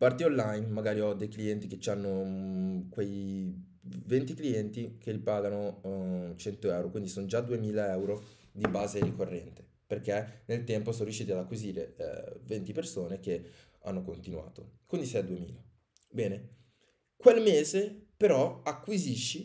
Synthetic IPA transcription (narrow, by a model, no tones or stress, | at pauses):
part̪ionlːajnmaɡaːɾiɔd̪ejkliɛnt̪iket͡ʃːanːo | kwej | vɛnt̪ikliɛnt̪ik̟elipaːɡano | t͡ʃɛnt̪oɛwɾokwind̪isonod͡ʒad̪uemiːlaɛwɾo | d̪ibaːzeɾikorːɛ̰nt̪e̥ | perkenelt̪ɛmposoːnoɾjuʃːiːt̪iad̪akwiziːɾḛvent̪ipersoːnek̟e | a̰nːokont̪inua̰ːt̪okwind̪isiɛd̪uemḭːla | bɛːne | kwelmeːzepeɾɔakːwiziʃːi